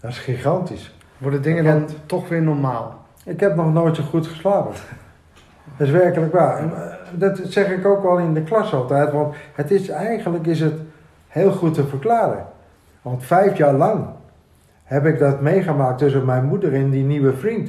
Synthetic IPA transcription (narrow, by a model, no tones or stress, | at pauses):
dɔtɪ̥sχiχɑntis | ʋɔɹdədɪŋədɑntɔχʋɪːɹnɔɹmaːlˠ | ɪkɦɛp̚nɔχnojtsoχutχə̥slaːpə | dəsʋɛɹkələkʋaɛndɑtsɛχɪkowkʋɛlˠɪndəklɑsɑlˠtɛjtʋɑnthətɪsɛjχənləkɪs̬ət | heːlˠχutːəvəɹklaːɾə̰ | ʋɑntfɛjfjaːɹlɑŋ | hɛpɪk̚dɑtmejχəmaːk̚tɵs̬əmɛjnmudərɛndiniʋəvrint